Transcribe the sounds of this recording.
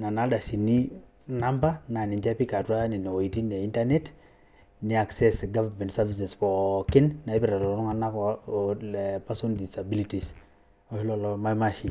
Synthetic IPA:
na˨na˦da˨si˨ni˦ | na˦mba˦na˨ni˨ɲd͡ʒa˦pi˦ka˨twa˦ni˨nɔ˨wɔ˨i˨ti˦ne˨i˦nta˦ne˦t | ni˨˦a˨ksɛ˦sɡa˦va˨mɛ˨ntsa˦vi˨s̬ɛ˨spɔ˨kɪ˦nna˨ɪ˦pɪ˦ɾa˨ɾɔ˨ɔ˨ɾɔ˦ŋa˨na˦kɔlɛpa˦so˦ndi˨sa˨bi˦li˦ti˨s | ɔ˦hɪ˦lɔ˨lɔ˦ma˦ma˦ʃi˨

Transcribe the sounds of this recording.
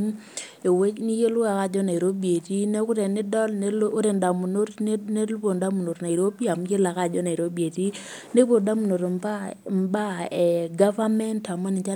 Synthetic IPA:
e˨we˦t͡ʃni˦je˦lʊ˦a˨ka˦˨d͡ʒɔ˦na˨e˨ɾo˦bje˨ti˦nɛ˦kʊ˦tɛ˨nɪ˦dɔ˦lo˦ɾe˨nda˨mu˨no˦tne˦lpo˨nda˦mu˨no˨tna˨i˨ɾo˦bi˦a˨mje˦la˨ka˦˨d͡ʒɔ˦na˨e˨ɾo˦bje˨ti˦ | ne˦po˨da˦mu˨no˨ɾmba˦mba˦ɛ˨ɡa˦va˦mɛ˦nta˨mɔ˦nɪ˨t͡ʃa˦

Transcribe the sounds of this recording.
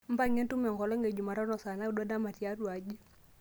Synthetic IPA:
m̩˦ba˦˨ŋe˦ntu˦mɛ˨ŋɡɔ˨lɔ˦ŋɡe˨d͡ʒu˨ma˨ɾɔ˦nɔ˨sa˨na˦u˦da˦da˦ma˨ti˨a˦ɾwa˨d͡ʒi˦

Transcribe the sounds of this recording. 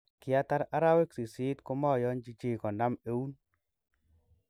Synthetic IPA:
kɪ˨a˦ta˦ɾa˦ɾa˦we˦ksi˨si˦t̪ko˦mɔ˦˨jɔ˦nd͡ʒi˦t͡ʃi˦˨kɔ˨na˦me˦u˦n

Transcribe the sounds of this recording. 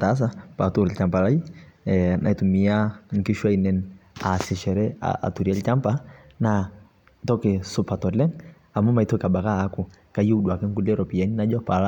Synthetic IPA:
ta˦s̬a˦pa˨tu˨ɾɛ˨lt͡ʃa˨mpa˨la˦i˦ɛnʔa̰˨i˨tu˨mi˨aŋ̩˨ki˦ʃwa˦inɛnasi˨ʃɛ˨ɾɛa̰ʔa̰˨tu˨ɾiɛ˦lt͡ʃa˦mpa | na | tɔ˦kɛ˨su˦pa˨tɔ˨lɛ˦ŋ | a˨mu˦ma˨itɔ˦ka˨ɓa˨kaː˦ku˨ | ka˨ji˦u˦ɗwa˨kɛ˦ŋ˦ku˦lɛɾɔ˨pi˨ɛ˨ni˦na˦d͡ʒɔ˦pala˦

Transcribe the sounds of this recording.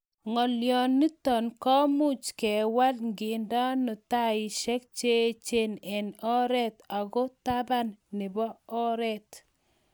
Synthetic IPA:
ŋɔ˨ljɔ˨nːi˦tɔ˨nkɔ˦mu˦t͡ʃkɛ˨wa˦tŋɡi˨nda˦nʊ˨ta˦i˨ʃɛ˦k̚t͡ʃe˦t͡ʃe˦nɛ˨nɔ˦ɾɛ˦ta˨ɣɔ˦ta˦ba˦nːɪ˨bɔ˦ɔ˦ɾɛ˨t

